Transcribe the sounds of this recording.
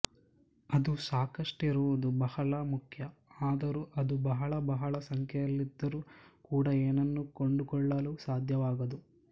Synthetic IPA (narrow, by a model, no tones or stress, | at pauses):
ɐd̪usaːkɐʂʈiɾuʋud̪ubɐhɐɭɐmukʰjɐaːd̪ɐɾuːʔɐd̪ubɐɦɐɭɐbɐɦɐɭɐsɐŋkʰjɐjɐlːid̪ːɐɾukuːɽɐeːnɐnːukoɳɖukɔɭːɐlusaːd̪ʱjɐʋaːɡɐd̪u